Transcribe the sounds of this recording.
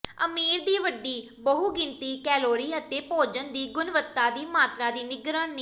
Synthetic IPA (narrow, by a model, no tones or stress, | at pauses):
əmiːɾd̪iːʋəɖːiː | bəɦuːɡɪnt̪iːkɛːloːɾiːət̪eːpoːd͡ʒənd̪iːɡʊnʋət̪ːaːd̪iːmaːt̪ɾãːd̪iːnɪɡɾaːnnː